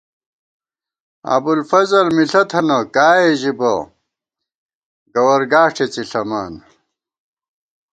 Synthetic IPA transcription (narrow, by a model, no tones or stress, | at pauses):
ɐ̰bulfɐzɐlmiɬɐt̪ʰɐnɐkaːeʑibɐ | ɡɐwɐɾɡaːʈ͡ʂʰet͡siɬɐmaːn